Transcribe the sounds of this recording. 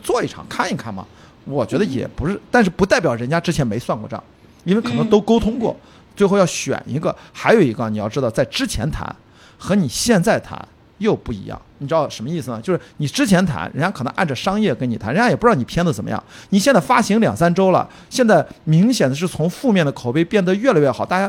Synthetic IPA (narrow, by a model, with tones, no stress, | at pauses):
t͡swɔ˥˧i˥˩ʈ͡ʂʰɑ̰˨˩ŋkʰa˥˩ni˧˥kʰa˥˩nmɐ̰˩ | wɔ˨˩t͡ɕɥɛ˧˥d̪ə˧jɛ̰˨˩pu˧˥ʂɻ̩˥˩t̪a˥˧nʂɻ̩˥˩pu˧˥t̪a˥˩ɪpjɑ˨˩ʊɻə˧˥nt͡ɕja˥ʈ͡ʂɻ̩˥t͡ɕʰjɛ˧˥nme˧˥ɪswa˥˧nkɔ˥˧ʈ͡ʂɤ˥˩jɑ̰˨˩ŋ | i˥n˥ɪkʰɤ˨˩nɤ˧˥ŋt̪o˥ʊko˥ʊt̪ʰʊ˥ŋkwɔ̰˥˩ | t͡swe˥˧xo˥˧ʊjɑ˥˩ʊɕɥɛ̰˨˩nḭ˧˥ɡə̰˧xa˧˥ɪjo˨˩ʊi˧˥ɡə˧˩ni˨˩jɑ˥˩ʊʈ͡ʂɻ̩˥t̪ɑ˧t͡sa˥˩ɪʈ͡ʂɻ̩˥t͡ɕʰjɛ̰˧˥nt̪ʰa̰˧˥n | xɤ˧˥ni˨˩ɕjɛ˥˧nt͡sa˥˩ɪt̪ʰa̰˧˥n | jo˥˧ʊpu˥˩ḭ˧˥jɑ̰˥˩ŋni˨˩ʈ͡ʂɻ̩˥ɑ˥˩ʂə˧˥mə˧i˥˩sɹ̩˩nə˩t͡ɕjo˥˧ʊʂ̩˥˩ni˨˩ʈ͡ʂɻ̩˥t͡ɕʰjɛ˧˥nt̪ʰa̰˧˥nɻə̰˧˥nt͡ɕja˥kʰɤ˨˩nɤ˧˥ŋʔa˥˩nʈ͡ʂə˩ʂɑ˥ŋjɛ˥˩kə˥ni˨˩a˧˥˦ɻə˧˥ja˥jɛ˨˩pu˧˥ɻɑ˥˩n˨˩pʰjɛ˥nd͡zə˨˩ə˨˩mə̰˦jɑ̰˥˩ŋni˨˩ɕɛ˥˧nt͡sa˥˩ɪfa˥ɕi˧˥ŋljɑ̰˨˩ŋsa˥nʈ͡ʂo˥ʊlə̰˨ | ɕjɛ˥˧nt͡sa˥˩ɪmi˧˥ŋɕjɛ˨˩nd̪ə˦ʂɻ̩˥˩t͡sʰʊ˧˥ŋfu˥˧mjɛ˥˩nd̪ə˩kʰo˨˩ʊpe˥ɪpjɛ˥˩nd̪ə˦ɥɛ˥˩la˧˥ɥɛ˥˩xɑ˨˩˦t̪a˥˩t͡ɕja˥